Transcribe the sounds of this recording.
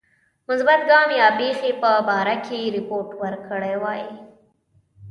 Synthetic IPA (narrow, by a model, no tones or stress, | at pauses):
mʊsbat̪̚ɡɑmjɑbexepəbɑɾakʰeɾɪpoɾʈwəɾkʰəɽewɑji